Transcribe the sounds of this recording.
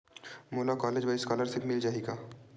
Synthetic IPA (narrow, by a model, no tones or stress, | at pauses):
moːlakɔːleːd͡ʒʋaskɔːləɾsɪpmɪld͡ʒaːeɡaː